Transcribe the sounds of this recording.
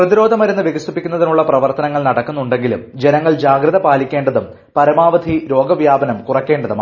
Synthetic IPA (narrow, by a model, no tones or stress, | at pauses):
prɐðiɾo̞ːd̪ʱɐmɐɾunːɨʋjeɡɐsupːikʲːunːɐðinuɭːɐprɐʋɐrt̪ɐnɐŋːɐɭnɐɽɐkːunːuɳɖe̞ŋɡilumd͡ʑe̞nɐŋːɐɭd͡ʑaːɡɾɨðɐpaːlikʲːe̞ːɳɖɐðum | pɐɾɐmaːʋɐd̪ʱiɾo̞ːɡɐʋjaːbɐnɐmkurɐkːe̞ːɳɖɐðum